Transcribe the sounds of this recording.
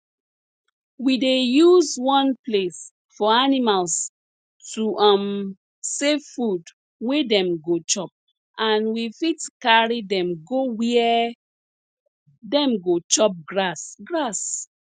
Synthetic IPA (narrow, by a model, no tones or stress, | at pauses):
widejuzwɔ̃nples | fɔanimals | tuʔam | seffud | wedɛ̃mɡot͡ʃɔp̚ | ʔãnwifitkaɹidɛ̃mɡowiɛ | dɛ̃mɡot͡ʃɔp̚ɡɹasɡɹas